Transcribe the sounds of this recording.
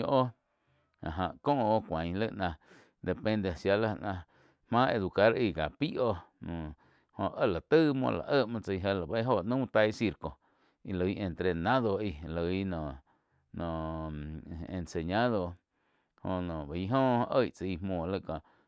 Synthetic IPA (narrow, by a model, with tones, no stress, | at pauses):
ʔo˦ | a̰˨ɦã˨ʔkõː˦ʔo˦kʷã˨ɲ˧lə˦ʔnã˧ | d̪e˨pẽ˧nd̪e˧˨sja˧la˦˧nã˧ | hmãː˦ʔe˧d̪u˨ka˦ɾi˧˨ɡa˨pi˦ʔo˧nũ˨ | hõ˧ʔə˦˨la˨t̪ə˦mõ̰˧˨la̰˨ʔə˦˨ʔmã˧t͡sə˧jɦə˧la˨ba˧i˦ɦo˧˨ʔnũ˦t̪a˧jsi˧ɾko˨ | i˧lə˨˧i˦˧ʔe˧nt̪ɾe˧˨nã˦ðo˧i˧lə˨i˦nɔ̃˨ | nõ˨ | ḛ˧nse˨ɲã˦ðo˧ | hõ˧˨nõ˨ba˨i˦ɦõː˦˧ʔə˦˨jt͡sa˧i˧mõː˧˨lə˦˨kõ˧˨ʔ